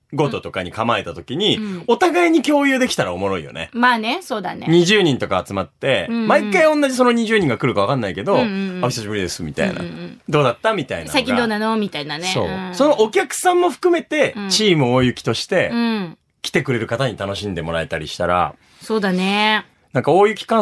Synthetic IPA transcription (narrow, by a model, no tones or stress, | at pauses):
ɡo̞t̪o̞t̪o̞kaɲ̟ikamae̞t̪at̪o̞kʲiɲ̟io̞t̪aɡaiɲ̟ikʲo̞ːjɯ̟ːd̪e̞kʲi̥t̪aɾao̞mo̞ɾo̞ḭjo̞̰ne̞̰maːnesoːd̪aneɲ̟iʑɨːɲĩnt̪o̞kaːt͡sɨmat̪ːe̞maikːaiõ̞nːaʑis̬o̞noɲ̟iʑɨːɲ̟ĩŋɡakɯ̟ɾɯ̟kaβ̞akãnːaike̞d̪o̞açisaɕibɯ̟ɾid̪e̞sɨmʲit̪a̰ḭna̰d̪o̞ːd̪at̪ːamʲit̪aḭnasaikĩd̪oːnanomʲit̪ainanso̞̰ːso̞no̞ʔːkʲakɯ̟̥sãmːo̞ɸɯ̥kɯ̟me̞t̪e̞t͡ɕiːmɯ̟oːjɯ̟kʲi̥t̪o̞ɕi̥t̪ẽ̞ | kʲi̥t̪e̞kɯ̟ɾe̞ɾɯ̟kat̪aɲ̟it̪anoɕĩnd̪e̞mo̞ɾae̞t̪aɾʲḭɕi̥t̪aɾa̰ | soːd̪ane | nãŋkao̞ːjɯ̟kʲi̥kã